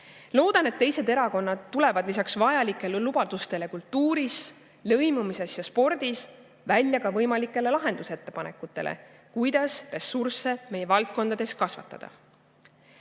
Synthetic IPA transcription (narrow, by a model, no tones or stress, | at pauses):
lo̞ːd̪ɑnet̪ːe̞jse̞d̪e̞ɾɑko̞nːɑd̪̥̚t̪ːule̞vɑd̪̥lisɑksvɑjɑlikːˑe̞lelubɑd̪̥ust̪e̞le̞kult̪ːuːɾis | lɤ̞jmumise̞sjɑspo̞rd̪̥is | vælʲjɑkɑvɤjmɑlikːˑe̞le̞lɑɦe̞nd̪use̞t̪ːe̞pɑne̞kːˑut̪ːˑe̞̰lʔḛ | kujd̪̥ɑsre̞surse̞me̞je̞vɑlt̪̚ko̞nd̪ɑd̪̥e̞skɑsvɑ̰t̪ːˑɑ̰d̪̥ɑ̰